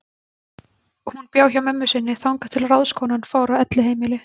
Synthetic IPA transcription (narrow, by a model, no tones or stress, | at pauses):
hunpjaːwçawmɛmːʏsɪnːɪθawŋkḁt̪ʰɪlraðskʰɔwnanfaːwɾavɛt̪lɪɦeːjmɪlɪ